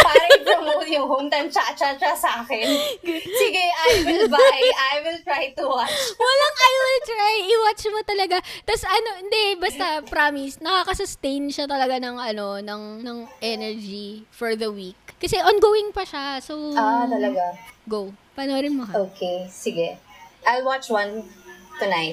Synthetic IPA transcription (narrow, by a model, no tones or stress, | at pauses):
paɾɐpɐmojʊŋhont̪ɐnt͡ʃat͡ʃɐt͡ʃɐsaːkɛnsɪɡɛʔajwɪlbajʔajwɪlt̪ɹajt̪ʊwat͡ʃwɐlaŋʔajwɪlt̪ɾajɪwat͡ʃmot̪ɐlɐɡat̪ɐsɐnoʔɪnd̪ɛbɐst̪ɐpɾamisnɐkaːkɐsʊst̪ejnʃat̪ɐlɐɡanɐŋɐno̞nɐŋnɐŋʔɛnɛɹd͡ʒifɔɹðɐwikːɐsɛʔonɡoːwɪŋpɐʃasoat̪ɐlɐɡaɡowpɐnoɾɪnmohɐoːkʰesɪɡɛʔajlwat͡ʃwɐ̃nt̪ʊnajt